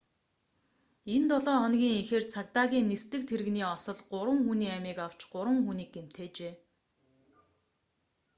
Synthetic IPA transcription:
ent̪ɔɮɔːɔnɡʲiːŋixeːrt͡sʰakt̪aːɣʲiːŋnːist̪ɘ̆k̚t̪ʰeɾɘ̆ɣniːɔsɞ̆ɮɢʊɾwə̆ŋxuniːæmiːkaw̥t͡ɕɢʊɾwə̆ŋxuniːɡ̚ɡem̥t̪ʰeːt͡ɕeː

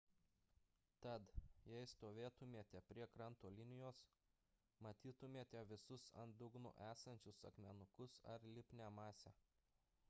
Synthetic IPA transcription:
t̪ɐt̪jɛɪst̪oːʋʲeːt̪ʊmʲeɛt̪ʲɛpʲɾʲiɛkɾɐnt̪oːlʲɪnʲɪjoːs | mɐt̪ʲiːt̪ʊmʲeːt̪ʲɛʋʲɪsʊsɐ̰nd̪ʊɡnʊ̰ʔæːsɐnʲt͡ʃʲʊsɐ̰kmʲɛnʊkʊsɐ̰ɾlʲɪpʲnʲæmɑːsʲɛ

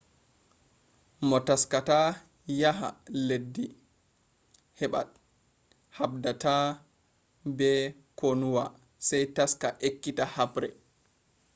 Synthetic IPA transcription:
mɔtaskata | jaɦa̰ledːi | hɛɓa̰t̚ | habdata | bɛ | konuwa | sajtaskaʔekːitahabɾɛ

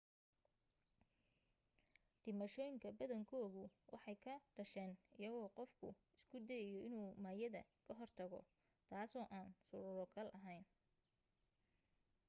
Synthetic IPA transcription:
ɖ̥ɪmɐʃɔːjɪŋkʰɐbɐðɐŋkʰɔːɣʊwʔɑ̰ħɑjkʰɐɖ̥ɐʃɛːnɪjɐɣɔːqɔfkʰʊ̰ | ɪskʰʊd̪ɛːjɔɪnuːmaːjɐðɐ̰kʰɐɦɔrt̪ʰɐɣɔ̰ | t̪ʰaːsɔːʔaːnsʊɾʊɾɔkʰɐlʔɐɦɛjn

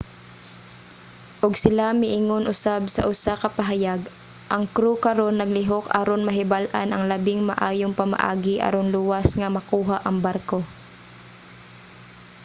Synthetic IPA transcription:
ʔʊɡsɪlamɪʔiːŋonʔʊsabsɐ̰ʔʊsakɐpɐɦajaɡ | ʔɐŋkɾukɐɾonːɐɡ̚lɪɦoka̰ɾonmɐɦɪbalʔa̰nʔɐŋlɐbɪŋmɐʔaːjoŋpɐma̰ʔa̰ːɡɪʔa̰ɾonlʊwasŋɐmɐkuːɦaʔɐŋbaɾko

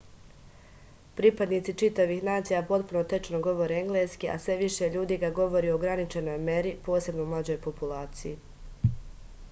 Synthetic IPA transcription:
pɾipad̪nit̪sit͡ʃit̪aʋiːxnaːt̪sijapo̞t̪puno̞t̪e̞t͡ʃnoɡo̞ʋo̞ɾeeŋɡleːskiʔa̰sʋe̞ʋiʃe̞ʎuːd̪iːɡaɡo̞ʋo̞ɾiːoɡɾanit͡ʃe̞no̞jme̞ɾipo̞ːse̞bnoumlˠaːd͡ʑo̞jpopulaːt̪siji

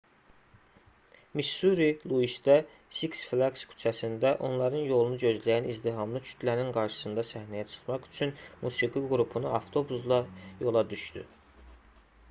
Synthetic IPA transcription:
miʃuɾilˠuiʃd̪æ | siksflˠakskʰy̥t͡ʃʰæsind̪æʔo̞nlˠɑɾɯnjo̞lˠunuɟø̞zlæjænizd̪iɦɑmlˠɯt͡ʃʰy̥t̪ʰlæɾinɡɑɾʃɯ̥sɯnd̪ɑsæhnæjæt͡ʃʰɯ̥χmɑχy̥t͡ʃʰynmusiɡiɡɾupʰunuɑft̪ʰo̞buslˠɑjo̞lˠɑd̪yʃt̪y̰

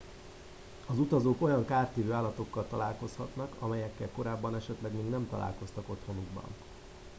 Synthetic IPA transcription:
ɒzut̪ɒzoːko̞jɒŋkaːrt̪ːeːvøːaːlːɒt̪o̞kːɒlt̪ɒla̰ːlko̞shɒt̪nɒkɒmɛjɛkːɛlko̞ɾaːbːɒnɛʃɛt̪lɛɡmeːɡnɛmt̪ɒ̰lʔa̰ːlko̞st̪ɒko̞t̪ho̞nuɡbɒ̰n

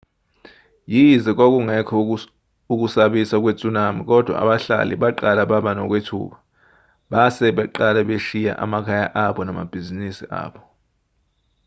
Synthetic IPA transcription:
jizɛk̬ʼwok̬ʼuŋɛkʰɔ | uk̬ʼusaɓisak̬ʼwet͡sʼunamik̬ʼɔd̥ʱwa̰a̰ɓaɬa̰lḭɓaǃalaɓaɓanɔk̬ʼwetʰṵːɓa | ɓasɛɓɛǃalɛɓeʃija̰ʔa̰makʰajaʔaɓɔnama̰b̥ʱizinisiʔa̰ːɓɔ

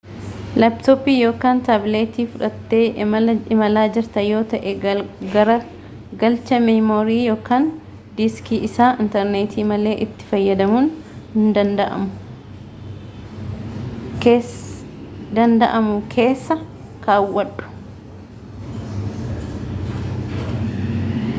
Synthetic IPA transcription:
lɐpt̪oːpiːjo̞ːkaːnt̪ɐbleːt̪iːfʊᶑɐt̪ːe̞ːɪmɐɪmɐlaːd͡ʒɪɾt̪ɐjo̞ːt̪ɐʔɛɡɐɾɐ | ɡɐlt͡ʃɐmɐmoːɾiːjo̞ːkaːn | d̪ɪskiːʔɪsaːɪnt̪ɛɾneːt̪ʰiːmɐle̞ːʔɪt̪ːɪ̥fɐjːɐd̪ɐmuːn | hɪnd̪ɐnd̪ɐʔɐ̰mʊ | kː | d̪ɐnd̪ɐʔɐmʊkʰe̞ːsːɐ | kaːwːɐᶑʊ̥

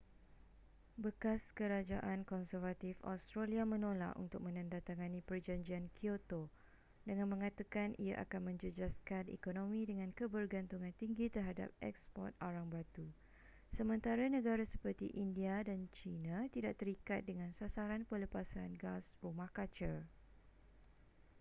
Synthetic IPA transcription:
bəkaskəɾad͡ʒaʔankɔnsərvat̪ifa̰st̪ɾaliamə̃nola̰ʔṵnt̪ʊk̚mə̃nãndat̪aŋanĩpərd͡ʒaɲd͡ʒiankʰiot̪o | dəŋãnmə̃ŋat̪akanʔia̰ʔa̰kanmə̃ɲd͡ʒəd͡ʒaskanḛkonõmĩdəŋãnkəbərɡant̪uŋãnt̪iŋɡit̪ərɦada̰p̚ɛ̰kspɔ̰rt̪̚oɾaŋbat̪u | səmə̃nt̪aɾanə̃ɡaɾasə̥pərt̪ḭʔindiadant͡ʃinãt̪idaʔt̪əɾikat̪̚dəŋãnsasaɾanpələpasanɡasrumãhkat͡ʃər

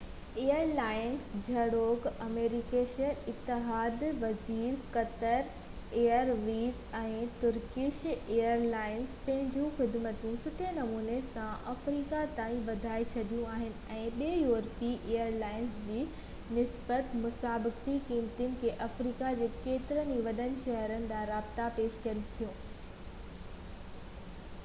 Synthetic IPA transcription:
eːəɾlaːɪnsd͡ʑʱɐɽoːɡɐmeːɾɪkeːʃəɪt̪ːɪɦaːd̪ʋɐziːɾkɐt̪əɾ | eːəɾʋiːz | ɛ̃ːt̪ʊɾkɪʃeːəɾlaːɪnspɐ̃ɦɪ̃ɲd͡ʑũxɪd̪mət̪ũsʊʈʰenɐmuːnesãʔɐfɾiːkat̪aːĩʋɐd̪ʱaːet͡ɕʰɐd̪ijũaːɦɪnɪ̆ɛ̃ːɓeːjuːɛɾpiʔeːəɾlaːɪnsd͡ʑiː | nɪsbət̪mʊsaːbɪkt̪ikiːmt̪ənɪ̆kʰeːʔɐfɾiːkad͡ʑeːkeːt̪ɪɾəniʋɐɗənɪ̆ʃɐɦɾənɪ̆d̪aɾaːbt̪apeːʃkɐən̆t̪ʰijũː

